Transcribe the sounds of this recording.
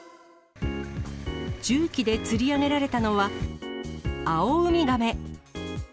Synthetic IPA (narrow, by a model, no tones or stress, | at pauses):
d͡ʑɨːkʲid̪e̞t͡sɨɾʲiaɡe̞ɾaɾe̞t̪ano̞βa | aoɯmʲiɡame̞